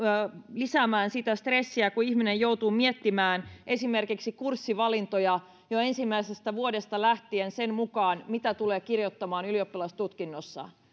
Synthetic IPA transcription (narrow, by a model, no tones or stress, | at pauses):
lisæːmæːnsit̪æst̪resːiækuiçminejjouwt̪uːmiet̪ːimæːnʔe̞simerkiksikursːiʋɑlint̪ojɑ | joensimːæisest̪æʋuodest̪ɑlæht̪iensenmukɑːnmit̪æt̪uleːkirjot̪ːɑmɑːnyliopːilɑst̪ut̪kinːosːɑ̰